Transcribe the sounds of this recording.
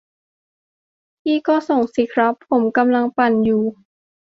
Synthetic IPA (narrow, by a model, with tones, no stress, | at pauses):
t̪ʰiː˥˩kɔː˥˩so˨˩ŋsi˨˦kʰɾa˦˥pʰːo˩˦mka˧mla˧ŋpa˨˩njuː˨˩